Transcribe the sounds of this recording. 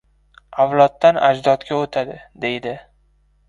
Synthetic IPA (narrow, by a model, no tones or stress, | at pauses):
awlˠɒt̪ːana̰d͡ʒd̪ɒt̪kʲaot̪ʰad̪ɪd̪e̞jd̪ɪ